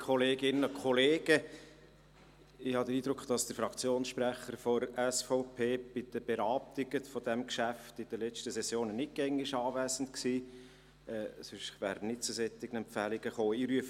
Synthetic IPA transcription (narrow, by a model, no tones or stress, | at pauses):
kχɔleːɡɪnəəkχɔleːɡ̥ə | ɪhɑd̪əɾiːd̪ɾʊkχd̥ɑsd̥̪əɾfɾɑkt͡sjoːnsʃpɾæχəɾfɔɾɛsfɔʊpʰeːb̥ɪd̪̥əb̥ɛɾɑːp̚t̪ɪɡəfɔd̪ɛmkʃæft̪ɪd̥̪əlɛt͡ʃtəsɛsjoːnənɪɡ̥ɛŋɪʃɑːvæːsən̩t̪ksiː | ɛːsɪʃʋæ̰ːɾnɪtt͡susɛt̪ːɪɡ̥ən̩ɛmpfælɪɡ̥əχoːiːɾyəfə